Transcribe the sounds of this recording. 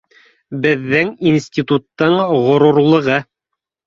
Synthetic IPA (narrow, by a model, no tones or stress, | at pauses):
bɘ̆ðːɘŋinsʲtʲit̪ut̪ːɤɴʁŏɾuɾlˠɤ̆ʁɤ